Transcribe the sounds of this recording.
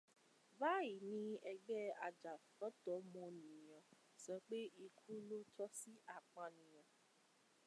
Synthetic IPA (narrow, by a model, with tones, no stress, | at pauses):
ba˦ji˨nĩ˦ɛ˧ɡ͡bɛ˦a˨d͡ʒa˨fɔ˨˦tɔ˨˦mɔ̃˧ñĩ˨j̃ɔ̃˨ | sɛ̃˨˦k͡pe˦i˧kʰu˦lo˦tʰɔ˦si˦ʔa˦˨k͡pã˧nĩ˨j̃ɔ̃˨